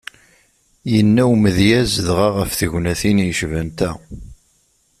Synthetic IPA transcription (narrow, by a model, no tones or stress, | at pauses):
jənːæwməðjæzðʁɑʁəfθəʝnæθinjəʃvænt̪æ